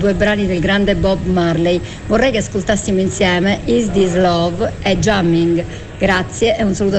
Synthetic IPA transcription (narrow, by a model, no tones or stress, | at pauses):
d̪uɛbɾaːniðɛlɡɾand̪ɛbɔbmaɾlej | vɔrːɛjkeaskolt̪asːimoinsjɛːmɛʔizd̪izlɔvɛd͡ʒamːiŋɡ | ɡɾat̪sːjɛʔɛunsaluːt̪